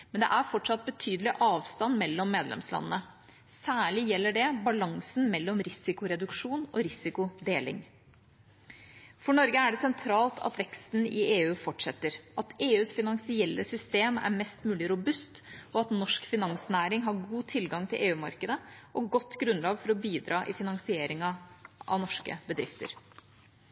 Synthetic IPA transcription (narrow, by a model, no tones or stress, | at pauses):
mɛnd̪ɛ̰ʔæɾfɔʈʂɑt̪̚bət̪ʰyːd̪əlɪʔɑːʋst̪ɑnmɛlːɔmːeːd̪lɛ̰mslɑ̰nənə | sæːɭɪjɛlːəɖɛbɑlɑŋsn̩mɛlːɔmɾɪsɪkʊɾɛd̪ʉkʂuːnɔ̰ɾɪsɪkʊd̪eːlɪ̰ŋ | fɔɳɔɾɡəæɖɛsɛnt̪ʰɾɑːlt̪ʰɑ̰t̪ʋɛkst̪n̩ɪeːʉːfɔʈʂɛt̪ːəɾʔɑt̪eːʉːsfɪnɑŋsɪɛlːəsʏst̪eːmæ̰ɾmɛst̪mʉːlɪɾʊbʉst̪ɔɑt̪nɔʂkfɪnɑŋsnæːɾɪŋɦɑɾɡuːt̪ʰɪlɡɑŋt̪ʰɪlʔeːʉːmɑɾkəd̪əʔɔɡɔt̪ːɡɾʉnlɑːɡfɔɾɔbiːd̪ɾɑːʔɪ̰fɪnɑŋsɪeːɾɪŋɑʔɑ̰ʋnɔʂkə̰bəd̪ɾɪft̪ə̰ɾ